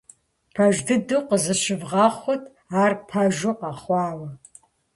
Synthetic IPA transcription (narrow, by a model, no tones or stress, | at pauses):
pʰɐʒdɨduqəzɨʃɪvʁɑːχʷʊtʰ | aːrpʰɐʒʊqɑːχʷɑːwɐ